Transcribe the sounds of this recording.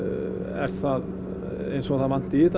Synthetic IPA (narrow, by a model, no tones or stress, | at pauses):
ɛ̰ɾ̥θað | ḛjnsɔaðθaðvan̥t̪ɪiːt̪